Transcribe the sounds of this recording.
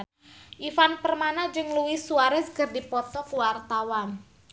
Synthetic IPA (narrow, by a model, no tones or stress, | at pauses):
ʔifanpərmanad͡ʒɨŋluwɪsuaɾaskərdipɔt̪ɔkwart̪awan